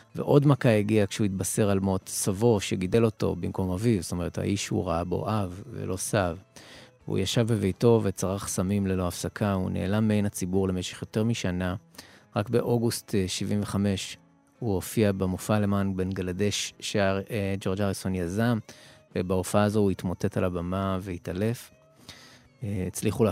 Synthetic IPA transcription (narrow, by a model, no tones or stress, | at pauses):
ve̞̰ʔo̞dmakaeɡiakʃeuitbase̞ʁalmo̞tsavo̞ʃeɡide̞lo̞to̞̰bimko̞mavivst̪o̞me̞ʁetha̰ʔiʃhṵʁaabo̞̰ʔavːḛlʔo̞sav | ṵjaʃavbe̞vejto̞vet͡saʁaχsamimlelo̞afsakʰaṵnḛːlamːeejnat͡sibuʁle̞me̞ʃe̥χjo̞te̞ʁmiʃanaʁakbe̞ʔo̞ɡustʃivʔiɱveχame̞ʃ | huo̞fiabemofale̞manbe̞nɡalade̞ʃʃaʁed͡ʒo̞ʁd͡ʒaʁisonjazamvebaofaaːzo̞uitmo̞te̞talabamave̞itale̞f | et͡sliχu